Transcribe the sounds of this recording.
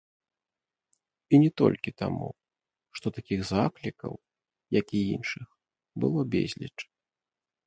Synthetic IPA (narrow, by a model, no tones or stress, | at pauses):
inʲɛt̪ɔ̰lʲkʲit̪a̰mṵ | ʂt̪ɔt̪akʲiɣzaklʲikɐ̰w | jakʲiinʂɨx | bɨlˠɔbʲḛzʲlʲḭt͡ʂ